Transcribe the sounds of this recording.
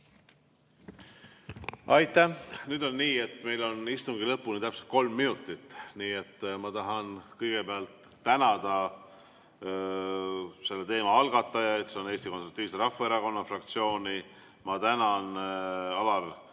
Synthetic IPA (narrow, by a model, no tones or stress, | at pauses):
ɑjt̪ːˑæhnyːd̪o̞nːiːe̞t̪ːme̞jlo̞nist̪uŋɡilɤpːˑunet̪æpset̪̚ko̞lmːinut̪ːˑit̪ːˑniːe̞t̪ːmɑt̪ɑɦɑnkɤjɡ̥e̞peɑlt̪ːænɑd̪̥ɑ | se̞lːe̞t̪e̞ːmɑɑlɡ̥ɑt̪ːˑɑjɑet̪seo̞ne̞ːst̪ikosrɾut̪ːˑiːvse̞ɾɑfːɑeɾɑko̞nːɑfrɑk̚t̪sio̞ːni | mɑt̪ænɑnɑlɑl